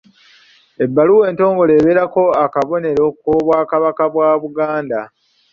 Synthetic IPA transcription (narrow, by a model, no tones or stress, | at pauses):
e̞bːaluwe̞ːnto̞ːŋɡo̞le̞ːβeɾako̞akaβo̞ne̞ɾo̞koːβwaːkaβakaβwaːβuɡaːnda